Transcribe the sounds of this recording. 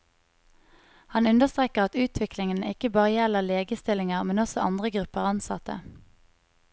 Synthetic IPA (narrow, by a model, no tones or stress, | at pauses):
hɑnʉnd̪əʁst̪ʁeːkəʁɑt̪ʉːt̪ʰʋɪklɪŋənɪkəbɑːʁəjɛləʁleːɡəst̪ɪlɪŋəʁmɛnɔsɔʔɑ̰nd̪ʁəɡʁʉpəʁɑnsɑ̰t̪ə̰